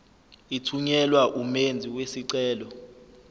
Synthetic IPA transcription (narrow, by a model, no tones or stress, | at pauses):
itʰuɲɛlwaʔumend͡zʱiwesiǀɛːlɔ